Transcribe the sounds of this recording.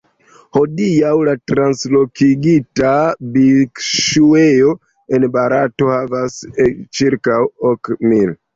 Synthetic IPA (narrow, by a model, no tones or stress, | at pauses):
ho̞diawlatɾanslo̞kiɡitabikʃueo̞ | e̞nbaɾato̞havast͡ʃiɾkawokmil